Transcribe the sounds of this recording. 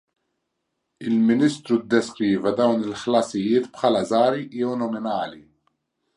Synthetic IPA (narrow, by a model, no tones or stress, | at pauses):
ɪlmɪniːst̪ɾud̪ːɛskɾiːvɛd̪ɐwnɪlħlɐsɪjɪːt̪pħɐːlɐzɐːɾijɛwnɔmɪnɐːli